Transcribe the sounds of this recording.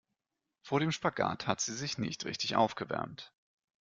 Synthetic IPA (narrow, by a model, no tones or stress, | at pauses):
foːɐɾeːmʃpaɡa̰ːthatz̥iːzɪçnɪ̰çtʁɪ̰çtɪçʔa̰ʊfɡ̥əvɛ̰ɐ̰mt